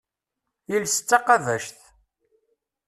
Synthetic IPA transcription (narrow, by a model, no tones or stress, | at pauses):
ilsə̥t͡sːɑqɑðæʃθ